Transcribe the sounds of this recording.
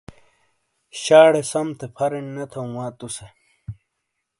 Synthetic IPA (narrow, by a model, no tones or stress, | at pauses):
ɕaːɽesɐmt̪ʰepʰɐɾenːɐt̪ʰɐw̃waːt̪use